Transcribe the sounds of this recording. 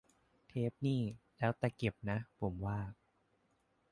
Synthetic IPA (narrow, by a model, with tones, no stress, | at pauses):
t̪ʰeː˦˥p̚niː˥˩lɛː˦˥wt̪a˨˧˩ke˨˩p̚na˦˥pʰo˩˦mwaː˥˩k̚